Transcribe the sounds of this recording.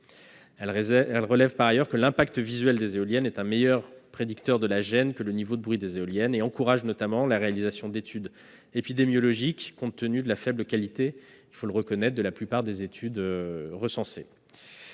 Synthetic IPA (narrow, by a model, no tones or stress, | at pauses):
ɛlʁəlɛvpaʁajœʁkəlɛ̃pakt̪əvizɥɛld̪ezeɔljɛnɛt̪ɛ̃mejœʁpχed̪ykt̪œʁd̪əlaʒɛnkələnivod̪əbʁɥid̪ezeɔljɛneɑ̃kuʁaʒnɔt̪amɑ̃laʁealizasjɔ̃d̪et̪ʰyd̪ | epid̪emjɔlɔʒikːɔ̃t̪ːənyd̪əlafɛbləkalit̪e | ilfoləʁəkɔnɛt̪χd̪əlaplypaʁd̪ezet̪ʰyd̪øʁəsɑ̃se